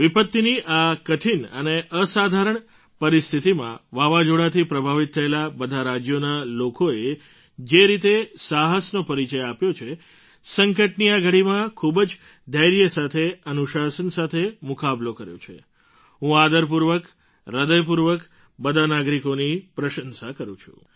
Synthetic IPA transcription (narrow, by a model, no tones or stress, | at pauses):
ʋipət̪ːiniʔakəʈʰinə̰neʔəsad̪ʱaɾəɳ | pəɾist̪ʰit̪imã̰ʋaʋad͡ʒoɽat̪ʰipɾəbʱaʋit̪ʰːəelabəd̪ʱaɾad͡ʒjonalokoe | d͡ʒeɾit̪esaɦəsnopəɾit͡ʃəjapjot͡ʃʰe | səŋkəʈniaɡʱəɽimãkʰubd͡ʒ | d̪əjɾjəsat̪ʰeənuʃasənsat̪ʰemukablokəɾjo̰t͡ʃʰḛ | ɦũad̪əɾp̬uɾʋək | ɾəd̪əjpuɾʋək | bəd̪ʱanaɡɾikonipɾəʃənsakəɾṵ̃t͡ʃʰṵ